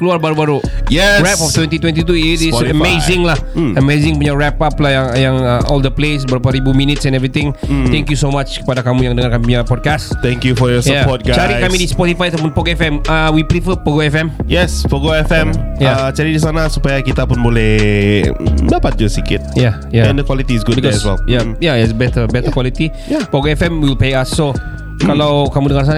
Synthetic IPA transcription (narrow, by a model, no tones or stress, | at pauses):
kəluarbaɾubaɾujɛɹɛpɔft̪wɛ̃nt̪it̪wɛ̃nt̪it̪̬uitisəmezɪ̃ŋlah | əmezɪ̃ŋpuɲaɹɛpaplahjaŋjaŋəɔ̰ld̪əples̬bəɾapaɾibuminɪt̪̚sɛ̃nɛvɾit̪ɪŋt̪ɛ̃ŋkjusomat͡ʃkə̥padakamũjaŋdəŋarkamip̬uɲapɔd̚kast̪ɛ̃ŋkjufɔjɔsjəapɔt̪̚ɡat͡ʃaɾikamidispɔt̪ifajat̪awp̬ʊnpoɡɛfɛmawipɾifəpəɡoɛfɛmjɛspəɡoɛfɛ̃mjət͡ʃaɾidis̬anasupajakit̪apʊnbolɛh | dapat̪̚d͡ʒəsikɪt̪̚ja | jaɛ̃ndəkwalit̪iːs̬ɡudbiɔɛswɛ̰ljajaɛtsbɛt̪əbɛt̪əkwalit̪ijapɔɡoɛfɛmwilpeaso | kalawkamudəŋans̬ana